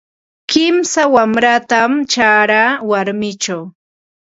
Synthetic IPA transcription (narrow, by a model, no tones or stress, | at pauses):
kɪmsawamɾat̪amt͡ʃaɾaːwaɾmɪt͡ʃaw